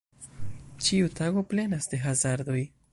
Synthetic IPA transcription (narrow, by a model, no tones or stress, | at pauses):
t͡ʃiutaɡo̞ple̞nasde̞ɦazaɾdo̞j